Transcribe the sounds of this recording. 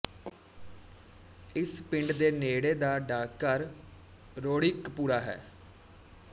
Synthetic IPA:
ɪspɪ̃ɳɖd̪eːneːɽeːd̪aːɖaːkːəɾ | ɾoːɽɪkpuːɾaːɦɛ̰ː

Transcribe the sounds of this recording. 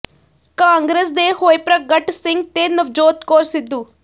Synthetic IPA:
kaːŋɡɾeːs̬d̪eːhoːjpɾɐɡɐʈsiŋɡ̚t̪eːnɐʋd͡ʒoːt̪koːɾsid̪ːu

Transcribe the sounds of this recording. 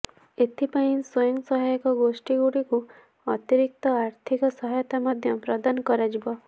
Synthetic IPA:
et̪ʰipaĩswɔjɔŋsɔɦajɔkɔɡosʈiɡuɽiku | ɔt̪iɾik̚t̪ɔaɾt̪ʰikɔsɔɦajɔt̪amɔd̪ʱjɔpɾɔd̪anɔkɔɾad͡ʒibɔ

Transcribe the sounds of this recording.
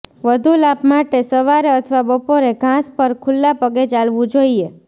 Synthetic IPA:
ʋəd̪ʱulapmaʈesəʋaɾeət̪ʰʋabəpoɾeɡʱãspəɾkʰʊlːapəɡet͡ʃalʋũd͡ʒoie

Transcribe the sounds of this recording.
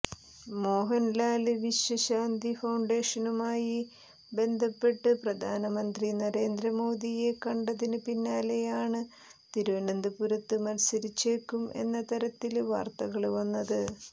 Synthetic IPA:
mo̞ːɦɐnlaːlɨʋiɕjɐɕaːnd̪ifɐwɳɖe̞ːʂɐnumaːji | be̞nd̪ʱɐpːe̞ʈːɨprɐd̪ʱaːnɐmɐnd̪rinɐɾe̞ːnd̪ɾɐmo̞ːd̪ije̞kɐɳɖɐðinɨpinːaːlejaːɳɨ | t̪iɾuʋɐnɐnd̪ʱɨpuɾɐt̪ːɨmɐlsɐɾit͡ɕːeːkːumʔe̞̰nːɐt̪ɐɾɐt̪ːilʋa̰ːrt̪ɐɣɐɭʋɐnːɐðɨ

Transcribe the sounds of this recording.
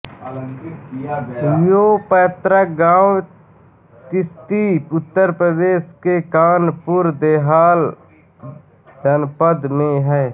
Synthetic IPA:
jopəːt̪ɾaɡãːw | t̪ɪst̪iʊt̪ːəɾpɾəd̪eːʃkekaːnpʊɾd̪eːɦaːl | d͡ʒənpəd̪mẽɦɛː

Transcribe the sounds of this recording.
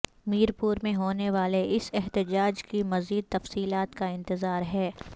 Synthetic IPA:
miːɾpuːɾmẽɦoːneʋaːleʔɪsɪɦt̪ɪd͡ʒaːd͡ʒkimɐziːd̪̚t̪ɐfsiːlaːt̪kaɪ̃nt̪ɪzaːɾɦɛː

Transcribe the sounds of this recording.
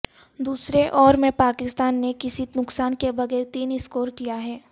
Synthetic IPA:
d̪uːsɾeʔɔːɾmẽpaːkɪst̪aːnːekɪsinʊksaːnkebɐɡɛːɾt̪iːnɪskoːɾkijaɦɛː

